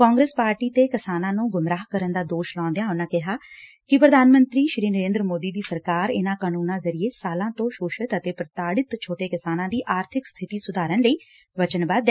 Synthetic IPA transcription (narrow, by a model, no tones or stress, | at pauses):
kɔːŋɡɾeːspaːɾʈiːt̪eːkɪsaːnãːnũːɡʊmɾaːɦkəɾənd̪aːd̪oːʃlɔ̃ãːnd̪eãːʊnãːkɪɦaː | kɪpɾəd̪ʱaːnmənt̪ɾiːʃɾiːnəɾẽːnd̪ɾəmoːd̪iːd̪iːsəɾkaːɾɪnãːkaːnuːnãːzəɾɪeːsaːlãːt̪õːʃoːʃət̪ət̪eːpɾət̪aːɽɪt̪t͡ʃʰoːʈeːkɪsaːnãːd̪iːʔaːɾt̪ʰɪkst̪ʰɪt̪iːsʊd̪ʱaːɾənləiː | ʋət͡ʃənbaːd̪